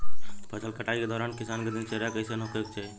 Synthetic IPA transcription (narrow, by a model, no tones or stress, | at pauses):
pət͡ʃʰəlkəʈaiked̪ɔːɾaːnkisaːnked̪int͡ʃəɾjakəɪsenɦokek̚t͡ʃʰɛ